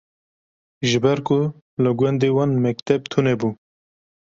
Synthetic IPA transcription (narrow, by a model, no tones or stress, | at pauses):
ʒɨbɛɾkʊ | lɨɡwɛnd̪ewɑːnmɛkt̪ɛb̚t̪ʰunɛbuː